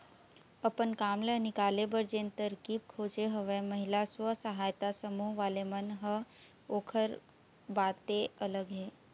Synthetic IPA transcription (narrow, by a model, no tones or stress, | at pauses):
əpənkaːmlənɪkaːlebəɾd͡ʒẽːnt̪əɾkiːb̚kʰoːd͡ʒeɦəʋɛməɦɪlaswəsəɦaːjt̪asəmuːɦʋaːlemənɦə | oːkʰəɾ | baːt̪eɐləɡɦɛː